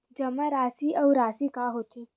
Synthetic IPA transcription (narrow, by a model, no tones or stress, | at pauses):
d͡ʒɐmaɾaːsiʔɐwɾaːsikaɦoːt̪iː